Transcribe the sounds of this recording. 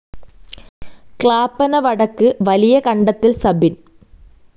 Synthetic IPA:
kɭaːpːɐnɐʋɐɽɐkːɨʋɐlijɐkɐɳɖɐt̪ːilsɐbin

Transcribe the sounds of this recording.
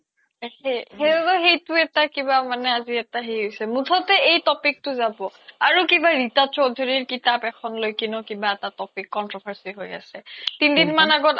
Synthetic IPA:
hehebɔxejtʊɛtakibamanɛaziɛtaɦejɦojsɛmutʰɔtɛejtɔpik̚tʊzabɔaɹukibaɹitat͡ʃɔdʱɔɹiɹkitapɛkʰɔnlojkinɔkibaɛtatɔpikːɔntɹɔbʱaɹsiɦoja̰sɛtindinmanaɡɔt

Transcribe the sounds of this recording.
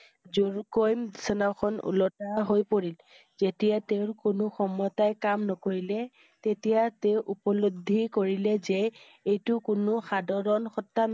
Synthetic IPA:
zuɹkojmdisɔnakʰɔnṵlɔtaɦojpoɹil | zetijateʊɹkonʊxɔmːɔtajkamnɔkoɹilɛ | tetijateʊʔupɔlodʱːikoɹilɛzɛ | ejtʊkʊnʊxadʱɔɹɔnxɔtːan

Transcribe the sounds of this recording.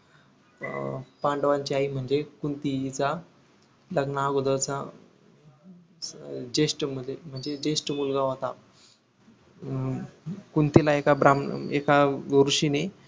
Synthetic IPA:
paɳɖʋãɲt͡ɕiaɦim̤əɳd͡zekunt̪it͡sa | ləɡnaɡod̪əwt͡sa | d͡ʑesʈm̤əd̪ʱem̤əɳd͡zed͡ʑesʈmulɡaɦot̪a | kunt̪ilaekabɾamḛkaɾuɕine

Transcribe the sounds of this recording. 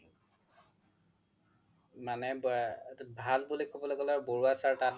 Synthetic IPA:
manɛbbʱalbulikʰɔbɔlɔɡɔlaɹboɹuasaɹta

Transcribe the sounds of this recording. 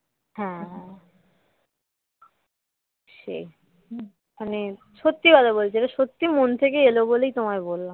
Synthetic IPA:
ɦɛ̃ | ʃḛj | mane | ʃot̪ːibad̪abolt͡ɕʰeʈaʃot̪ːimont̪ʰekeelobolejt̪omaebolːam

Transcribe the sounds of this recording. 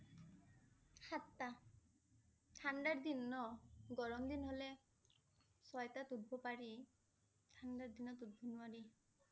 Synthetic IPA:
xatːa | tʰandaɹd̪inːɔɡɔɹɔmdinɦolɛ | sɔjtatud̚bʱɔpaɹi | tʰandaɹdinɔtud̚bʱɔnʊwaɹi

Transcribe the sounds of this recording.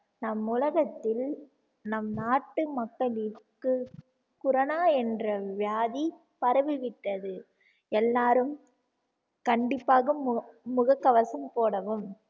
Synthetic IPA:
nɐmʊlɐɣɐt̪ːɪl | nɐmnaːʈːɯmɐkːɐɭɪɾkɯ | kʊɾɐnaːɛndrɐʋɪjaːði | pɐɾɐʋɪʋɪʈːɐðɯ | ɛlːaːɾɯm | kɐɳɖɪpːaːɣɯmːʊɣɐkːɐʋɐsɐmpoːɽɐʋɯm

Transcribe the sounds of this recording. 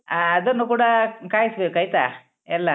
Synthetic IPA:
aːɐd̪ɐnːukuːɽɐkaːjisɐbeːkɐjt̪a̰ː | ɛlːɐ

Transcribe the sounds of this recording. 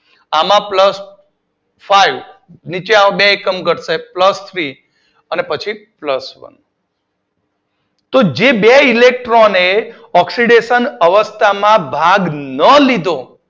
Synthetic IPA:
amãpləs | faiʋnit͡ʃeãbeekəmɡʱəɽsepləst̪ʰɾi | ənepət͡ʃʰipləsʋə̰n | t̪od͡ʒebeilek̚ʈɾone | ɔksiɖeʃənəʋəst̪ʰamãbʱaɡnəlid̪õ

